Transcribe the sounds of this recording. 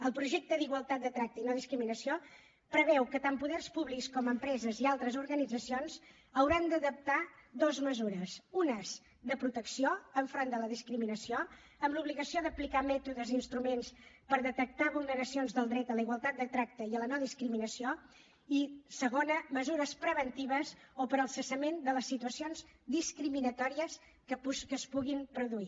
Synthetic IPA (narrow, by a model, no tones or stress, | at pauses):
əlˠpɾuʒɛk̚t̪əðiɣwəlˠt̪at̪̚d̪ət̪ɾak̚t̪əinɔðiskɾiminəsio | pɾəβɛwkət̪ampuðɛrspuβlikskɔməmpɾɛzəzialˠt̪ɾəzuɾɣənid͡zəsionz | əwɾand̪əðəp̚t̪ad̪ozməzuɾəsunəz | d̪əpɾut̪əksioəɱfɾond̪ələðiskɾiminəsio | əmluβliɣəsioðəplikamɛt̪uðəzinst̪ɾumenspəɾðət̪ək̚t̪aβulˠnəɾəsionzðəlˠd̪ɾɛt̪ələiɣwəlˠt̪at̪̚d̪ət̪ɾak̚t̪əiələnɔðiskɾiminəsio | isəɣonəməzuɾəspɾəβ̞ənt̪iβ̞əzopəɾəlˠsəsəmend̪ələsːit̪uəsionzd̪iskɾiminət̪ɔɾiəs | kəpkəspuɣimpɾuðui